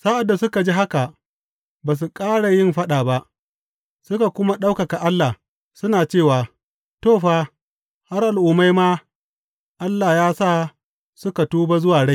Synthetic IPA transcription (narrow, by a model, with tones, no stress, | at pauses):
sa˦ʔa˨dːa˨sʊ˦ka˨d͡ʒi˦ɦa˦ka˨ | baː˨s̬u˨kʼaː˦ɽa˨jɪ˦˨mɸa˦ɗaː˨ba˦ʔ | sʊ˦ka˨kʷʊ˦ma˦ɗa˦wka˨ka˨ʔa˦lːa˨ | sʊ˦naː˨t͡ʃeː˦˨waː˨ | toː˦˨ɸaː˦ | ha˦rʔa˨lʔuː˨mːa˦jmaː˦ | ʔa˦lːaː˨jaː˦sa˦˨ | sʊ˦ka˨tuː˦ba˦zʊ˦waː˨ɽa˦j